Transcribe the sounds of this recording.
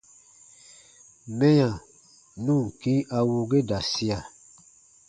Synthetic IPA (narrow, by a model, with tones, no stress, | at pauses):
mɛ̃˦jã˨ | nũ˦˨kĩ˦a˨wo˨ɡe˦da˨si˦a˨